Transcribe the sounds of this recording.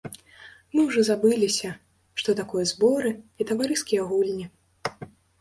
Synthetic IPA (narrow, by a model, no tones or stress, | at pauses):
mɨwʐɔzabɨlʲisʲɐ | ʂt̪ɔt̪akɔjɐzbɔɾɨit̪ɐvaɾɨskʲijɐɣulʲnʲi